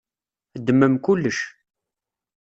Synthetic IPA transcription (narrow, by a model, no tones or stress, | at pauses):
d̪ːəmːəmkʊlːəʃ